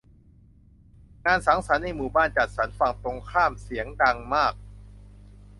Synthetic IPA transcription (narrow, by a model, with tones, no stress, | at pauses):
ŋaː˧nsaː˩˦ŋsa˩˦nːa˧˩jmuː˨˩baː˥˩nt͡ɕa˨˩t̪̚sa˩˦nfa˨˩ŋt̪o˧ŋkʰaː˥˩msi˩˦əŋda˧ŋmaː˥˩k̚